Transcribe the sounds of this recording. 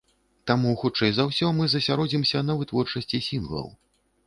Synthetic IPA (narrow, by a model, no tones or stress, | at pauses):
t̪amuxutt͡ʂɛjzawsʲɔmɨzɐsʲaɾɔd͡zʲimsʲɐnɐvɨt̪vɔrt͡ʂɐsʲt͡sʲisʲinvɔ̰l̰ˠ